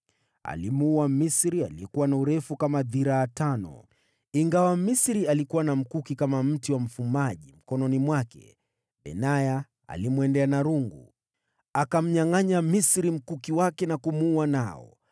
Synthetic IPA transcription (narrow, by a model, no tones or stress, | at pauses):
a̰limuwamisɾialijɛkuwanauɾɛfukamaðiɾaːtanɔ̰ | iŋɡawamisɾialikuwanam̩kukikamam̩tiwam̩fumaʄim̩kɔnɔnimwakɛ̰ | ɓɛ̰naja | a̰limuɛndɛanaɾuŋɡu | akam̩ɲaŋaɲamisɾim̩kukiwakɛnakumuuanaɔ̰